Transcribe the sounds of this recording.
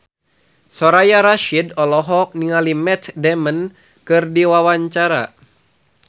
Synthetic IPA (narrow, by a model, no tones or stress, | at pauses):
sɔɾajaɾaʃidɔlɔɦɔk̚niŋalimɛt̪dɛmən | kɨrdiwawaɲt͡ʃaɾa̰